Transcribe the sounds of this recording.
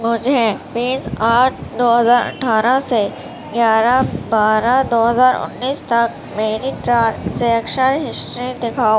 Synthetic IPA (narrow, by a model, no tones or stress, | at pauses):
mʊd͡ʒʱebĩːsaːʈ̚ʰd̪oːɦɐzaːɾɐ̰ʈʰaːɾase | ɡjaːɾabaːɾad̪oːɦəzaːɾʊ̰nːiːst̪ɐk̚ | meːɾiʈɾaːɾseɐkʃəɾɦɪsʈɾid̪ɪkʰaːo